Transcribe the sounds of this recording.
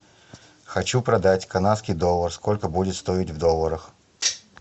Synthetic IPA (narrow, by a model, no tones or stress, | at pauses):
xɐt͡ɕupɾɐd̪atʲkɐnat̪skʲɪjd̪olˠːərsko̞lʲkəbudʲɪt̪st̪o̞ɪtʲvd̪olˠəɾəx